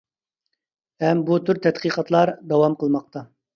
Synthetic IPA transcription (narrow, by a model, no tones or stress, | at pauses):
ɛmbut̪ʰyɾt̪ʰɛt̪qiqʰɑt̪lˠɑɾd̪ɑwɑmqəlˠmɑq̚t̪ʰɑ